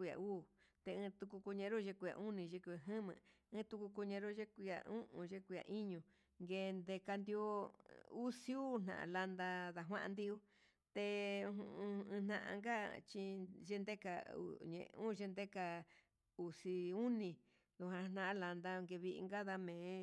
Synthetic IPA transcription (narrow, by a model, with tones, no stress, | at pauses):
ku˧ja̰˨uː˦˨t̪e˧ɨ̃˧t̪u˧ku˧ku˧ɲẽ˧ɾo˦˧ʒe˧ku˧˨ja̰˨˧ʔu˦nĩ˧ʒe˧kʷa˨ɦɨ̃˦mɨ̰̃˧ | ɨ̃˧˦t̪u˧ku˧ko˧ɲẽ˧ɾo˦ʒe˦ku˧ja̰˧ũ˦ʔũ˧˨ʒe˦kʷu˧ja̰˨ʔi˦ɲũ˧ | ŋɡe˧nd̪e˧ka˧nd̪i˧o˧˦u˦si˦u˦˧n̥nã̰˨ʔã̰˧la˧nd̪a˧ða˧˨ɦwã̰˦ʔã˧nd̪i˧u˦ | t̪ẽ˧ | n̥nã˧ʔã̰˧ŋɡa˦t͡ʃi˧ʒe˦nd̪e˦ka̰˧ṵ˧˨ɲḛ̃˧ũ˦˧ʒe˧nd̪e˦ka˧ | u˨si˧u˦nĩ˧˨ | d̪u˧ɦã˧a˧n̥ã˦ʔã˧la˧nd̪a˧ŋɡe˧βi˧ʔḭ˧ŋɡa˦ða˧mẽː˨˦